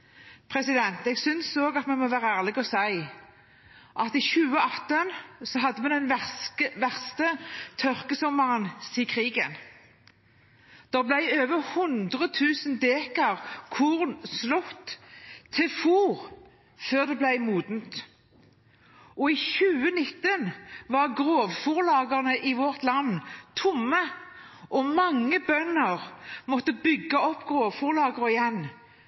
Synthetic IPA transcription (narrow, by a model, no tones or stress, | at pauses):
pʰʁɛsɪd̪ɛnt̪ɛːɡsʏnsoːɡɑt̪mɛnmɔʋæːʁəæːʁlɪɡɔsæɪ | ʔɑt̪ɪçʉːəɑt̪ənsɔɦɑd̪ːəmɛnd̪ɛnæʋæʁst̪ət̪ʰœʁkəsɔmːəʁənsiːkʰʁiːɡən | d̪̥ɛblæɪøːʋəʁhʊnd̪ʁət̪ʰʉːsənd̪eːkɑʁkʰʊʁnslʊt̪ːt̪ʰːɪlfuːʁ | føːʁd̪ɛblæɪmuːd̪nt̪ | ʔɔɪçʉːənɪt̪ːənʋɑʁɡʁoːʋfuʁlɑːɡəʁnəʔɪʋɔʁt̪lɑnːt̪ʰʊmːə | ʔɔmɑŋːəbœnːəʁmɔt̪ːəbʏɡːəɔpːɡ̥ʁoːʋfuːʁlɑːɡəʁəɪjɛn